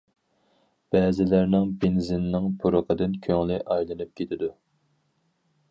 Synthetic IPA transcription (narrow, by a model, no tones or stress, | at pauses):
b̥ɛːzɪlæɾnɪŋbenzɪnːɪŋpʰuɾəqʰəd̪ɪnkʲʰøŋlɪʔɑjlˠɨnɨp̚kʲʰet̪ʰɪd̪u